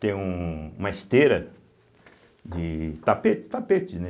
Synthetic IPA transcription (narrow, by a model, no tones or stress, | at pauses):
t̪ẽj̃ũũmɐist̪eɾɐ | d͡ʒɪt̪apet͡ʃɪ̥t̪apet͡ʃɪnɛ